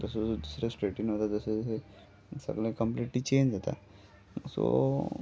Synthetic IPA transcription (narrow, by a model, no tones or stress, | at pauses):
d̪əsood̪usɾesʈɾeːʈĩŋɦot̪ad̪usee | sə̰ɡlekə̃mpliːʈlit͡ʃẽːnd͡ʒot̪a̰ | so̰